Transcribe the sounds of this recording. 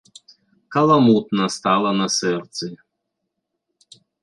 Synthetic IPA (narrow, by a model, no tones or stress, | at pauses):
kɐlˠɐmut̪nɐst̪alˠɐnɐsɛrt̪sɨ